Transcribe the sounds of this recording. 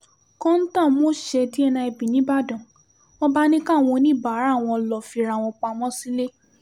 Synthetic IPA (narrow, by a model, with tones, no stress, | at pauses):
kɔ̃˦n̩˦tã˦˨˦mo˦ʃɛ˧ti˦ɛ˧nã˧ɛ˧bĩ˨nĩ˨˦ba˦˨dɔ̃˨ | mɔ̃˦ba˦nĩ˦ka˦˨w̃ɔ̃˧nĩ˦˨ba˨˦ɾa˦˨w̃ɔ̃˧lɔ˨fi˧ɾa˨w̃ɔ̃˧k͡pa˧˨mɔ̃˦si˦le˦